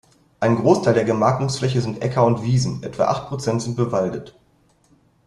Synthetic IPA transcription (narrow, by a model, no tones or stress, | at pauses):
ʔaɪnənɡʁoːstʰaɪldeːɐɡəmaːk̚tʊŋsflɛçəzɪntʔɛkʰɐʊntv̥iːzn̩ʔɛtv̥a̰ʔa̰χt̚pʁ̥ot͡sɛntz̥ɪnt̚b̥əvaldət